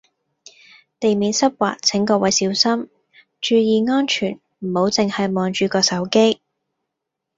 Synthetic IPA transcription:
t̪e˨jmiː˨˧nsɐ˥p̚wa̰ː˨k̚t͡sʰɪ˨˥ŋkɔː˧wɐ˨jsiː˨˥wsɐ˥m | t͡ʃyː˧jiː˨˧ŋɔː˥nt͡ʃʰyː˨˩n | m̩˨˩ho˨˥wt͡sɪ˨ŋhɐ˨jmɔː˨˩nt͡ʃyː˨˧kɔː˧sɐ˨˥wke˥j

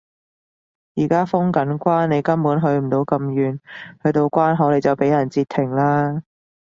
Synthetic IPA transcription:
jiː˨˩kaː˥fʊ˥ŋkɐ˨˥nkʷaː˥nne˨˧jkɐ˥mpuː˨˥nɦɵ˨˧ɥm̩˨˩t̪o˨˧wkɐ˧mjyː˨nhɵ˧ɥt̪o˧wkʷwaː˥nɦɐ˨˥wle˨˧jt͡sɐ˨wpe˨˥jɐ˨˩nt͡siː˧t̪ʰːɪ˨˩ŋlaː˥

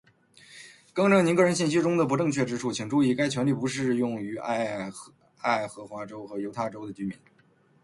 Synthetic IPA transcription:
kɤ˥ŋʈ͡ʂɤ˥˩ŋni˧˥kɤ˥˩ɻə˧˥nɕ̬i˥˩nɕ̬i˥ʈ͡ʂʊ˥ŋd̪ə˨p̬u˧˥ʈ͡ʂɤ˥˧ŋt͡ɕʰɥɛ˥˩ʈ͡ʂɻ̩˥ʈ͡ʂʰu˥˩t͡ɕʰi˨˩ŋʈ͡ʂu˥˧i˥˩ka˥ɪt͡ɕʰɥɛ˧˥nli˥˩pu˧˥ʂɻ̩˥˧jʊ˥˩ŋy˧˥a̰˥˩ | a˥˩ɪxɤ˧˥xwa˧˥ʈ͡ʂo˥ʊxɤ˧˥jo˧˥ʊt̪ʰa˥˩ʈ͡ʂo˥ʊd̪ə˩t͡ɕy˧˥mḭ˧˥n

